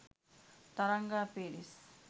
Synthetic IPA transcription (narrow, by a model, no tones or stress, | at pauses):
t̪ɐɾaŋɡaːpeːɾis